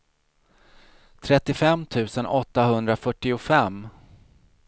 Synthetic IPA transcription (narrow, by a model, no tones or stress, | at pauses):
t̪ʰɾɛt̪ːɪfɛmːt̪ʰʉ̟ːsənʔɔt̪ːaɦɵnd̪ɾafœʈːɪʊfɛm